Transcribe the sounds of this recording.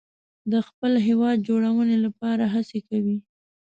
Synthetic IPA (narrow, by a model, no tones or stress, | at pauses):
d̪əxpəlɦewɑd̪̚d͡ʒoɽawənelapɑɾaɦasekawi